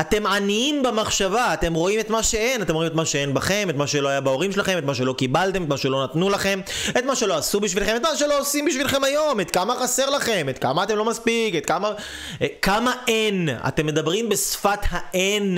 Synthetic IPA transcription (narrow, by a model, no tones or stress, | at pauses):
ate̞mʕaniimbemaχʃavaːt̪e̞mʁo̞imet̪maʃe̞e̞natemoimetmaʃeenbaχe̞metmaʃelo̞ajabao̞ʁimʃelaχeme̞t̪maʃ̬e̞lo̞kibalt̪emet̪maʃelo̞nat̪nulaχe̞me̞t̪maʃe̞lo̞asubiʃvilχeme̞t̪maʃelo̞osimbiʃvilχe̞majo̞met̪kamaχase̞ʁlaχe̞met̪kamaːt̪e̞mlo̞maspiketkama | kamaʔena̰t̪emːe̞d̪abʁimbe̞sfathaʔen